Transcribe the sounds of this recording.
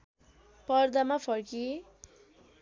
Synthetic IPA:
pʌrd̪amapʰʌrki

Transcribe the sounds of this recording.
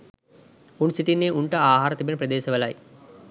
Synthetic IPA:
unsiʈinːeːʔuɳʈəaːɦaːɾət̪ibenəprɐd̪eːsəʋəlaj

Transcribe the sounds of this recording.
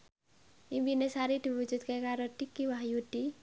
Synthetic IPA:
imbinesaɾid̪̥i̤wu̥d͡ʒud̪̚kekaɾoʈikːiwaɦjuɖ̪̥i

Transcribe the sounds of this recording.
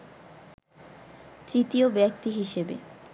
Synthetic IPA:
t̪ɾit̪iobɛk̚t̪iɦiʃebḛ

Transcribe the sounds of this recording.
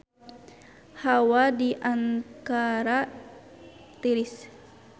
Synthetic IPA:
hawadiʔankaɾa | t̪iɾis

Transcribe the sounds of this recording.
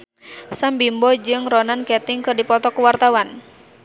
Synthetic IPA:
sambimbɔd͡ʒɨŋɾɔnankɛt̪ɪŋkɨrdipɔt̪ɔkuwart̪awan

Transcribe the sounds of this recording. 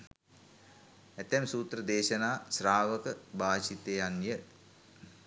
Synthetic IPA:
æt̪ɛmsuːt̪rəd̪eːʃənaːsɾaːʋəkəbʱaːʃit̪ejanjə

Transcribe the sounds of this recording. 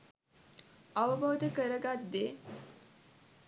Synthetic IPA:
ɐʋəbʱɐʋəd̪əkəɾəɡat̪ːe

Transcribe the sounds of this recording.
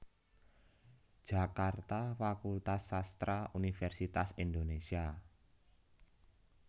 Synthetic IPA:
d̥ʒ̥a̤kart̪afakult̪asːast̪ɾaʔunifɛrsit̪asind̪onesia

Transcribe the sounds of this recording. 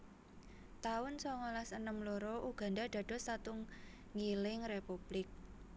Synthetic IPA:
t̪aʊnsɔŋɔlasənəmloɾɔʔuɡ̥ä̤ndad̪̥ä̤d̥ɔ̤stat̪ʊŋː | ilɪŋrepub̥lɪk̚

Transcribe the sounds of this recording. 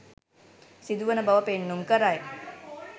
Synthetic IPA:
sid̪uʋənəbɐʋɐpenːumkəɾaj

